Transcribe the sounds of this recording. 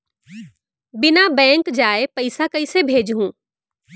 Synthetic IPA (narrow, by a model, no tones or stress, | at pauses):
bɪnabɛ̃ːŋkd͡ʒaːepɐɪsakɐisebʱeːd͡ʒɦũː